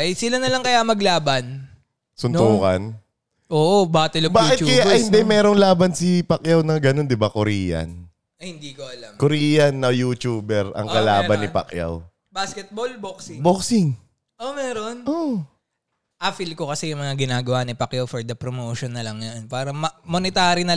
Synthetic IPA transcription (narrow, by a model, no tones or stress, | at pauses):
ʔɐjsɪlanɐlɐŋkɐjamɐɡlaːbɐn | sʊnt̪oːkɐ̰n | ʔoːʔobaːt̪ɛlobaːkɪt̪t͡ʃkɐjahɪnd̪ɛmɛːɾoŋlaːbɐnsipɐkjawnɐŋɡɐno̞nd̪ɪbakʊɾiːjɐ̰n | ɐhɪnd̪iːkoʔɐlamkoɾiːjɐnːɐjut͡ʃuːbɛɾɐ̰ŋkɐlaːbɐnːɪpɐ̰kja̰w | baskɛt̪̚bolboksɪŋboksɪŋ | ʔomɛːɾonʔo | ʔafilkokɐsɛjʊŋmɐŋaɡɪnaːɡɐwanɐpɐkjawfɔɹd̪ɐpɾomoːʃɔnːɐlɐŋjonpaːɾɐmɐmonɪt̪aːɾinɐ